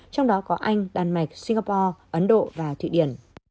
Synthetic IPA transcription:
t͡ɕɔ˧wŋ͡mɗɔ˨˦kɔ˨˦ʔa˧jŋ̟ɗaː˨˩nma˨˩jk̟̚si˧ŋɣaː˧pɔ˧ʔə˨˦nɗo̰˧˨vaː˨˩t̪ʰḭ˧˨ɗḭ˧˩ən

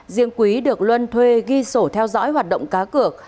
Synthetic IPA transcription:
zḭ˧˨əŋkwi˨˦ɗɨ˨˩ək̚lwə˧nt̪ʰwe˧ɣi˧so˧˩t̪ʰɛ˧wzɔ̰ː˧˥jɦwaː˨˩t̚ɗə̰˧˨ŋ͡mkaː˨˦kɨ˨˩ək̚

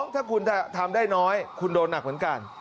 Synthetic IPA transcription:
ŋt̪ʰaː˥˩kʰu˧nt̪ʰaː˥˩t̪ʰaː˧mdaː˥˩jnɔː˦˥jkʰu˧ndoː˧nːa˨˩k̚mɯ˩˦nka˧n

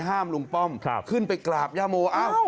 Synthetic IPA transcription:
ɦaː˥˩mlu˧ŋpɔ˥˩mkʰkʰɯ˥˩npa˧jklaː˨˩p̚jaː˧˥˩moː˧ʔa˧˥˩w

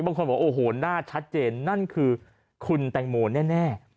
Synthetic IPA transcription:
baː˧ŋkʰo˧nbɔː˨˩˦ʔoː˧˩ɦoː˨˩naː˥˩t͡ɕʰa˦˥t̪̚t͡ɕeː˧nːa˥˩nkʰɯː˧ | kʰu˧nt̪ɛ˨˩ŋmoː˧nɛː˥˩nɛː˥˩

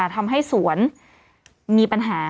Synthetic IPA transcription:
t̪ʰa˧mɦa˥˩jsu˨˩˦ən | miː˧pa˧nɦaː˩˦

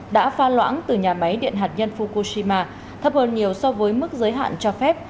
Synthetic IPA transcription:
ɗa̰ː˧˥faː˧lwa̰ː˧˥nt̪ɨ˨˩ɲaː˨˩ma˨˦jɗḭ˧˨ənɦaː˨˩t̚ɲə˧nfu˧ko˧si˧maː˧ | t̪ʰə˨˩p̚həː˨˩nɲi˨˩əwsɔ˧vəː˨˦jmɨ˦˥k̚zəː˨˦jɦa̰ː˧˨nt͡ɕɔ˧fɛ˦˥p̚

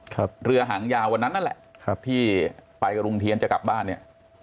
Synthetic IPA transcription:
kʰa˦˧p̚ɾɯ˧ɐɦaː˩˦ŋjaː˧wa˧nːa˦˥nːa˥nlɛ̰˨˩ʔkʰa˦˥p̚t̪ʰiː˥˩pa˧jka˧ɾo˧ŋt̪ʰi˧ənt͡ɕa˨˩kla˨˩p̚baː˥˩nːi˥˩ɐ

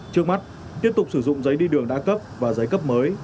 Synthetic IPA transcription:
t͡ɕɨ˦˥ək̚ma˦˥t̚ | t̪i˦˥əp̚t̪ʊ˨˩k͡p̚sɨ˧˩zʊ̰˧˨ŋ͡mzə˨˦jɗi˧ɗɨ˨˩əŋɗa̰ː˧˥kə˦˥p̚vaː˨˩zə˨˦jkə˦˥p̚məː˨˦j

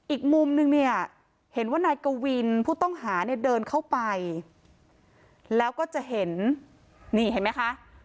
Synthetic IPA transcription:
ʔiː˨˩k̚mu˧mnɯ˧ŋni˥˩ɐ | he˩˦nwaː˥˩naː˧jkoː˧wi˧npʰuː˥˩t̪ɔ˥˩ŋɦaː˩˦ni˥˩ɐdɤː˧nkʰa˥˩wpa˧j | lɛː˦˥wkɔː˥˩t͡ɕa˨˩ɦe˩˦n | niː˥˩ɦa˥˩jma˦˥jkʰa˦˥ʔ

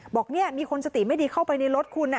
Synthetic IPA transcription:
bɔː˨˩k̚ni˥˩ɐmiː˧kʰo˧nt͡ɕa˨˧t̪iː˨˩ma˥˩jdiː˧kʰa˥˩wpa˧jna˧jɾo˦˥t̪̚kʰuː˧nːa˧

